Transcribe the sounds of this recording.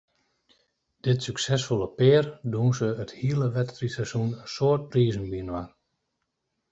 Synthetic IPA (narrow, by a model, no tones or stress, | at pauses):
d̥ɪtsyksɛsfolˠəpɪərdunsəəthiələʋɛtfrisɛsunənsoət̚riːzənbiənwa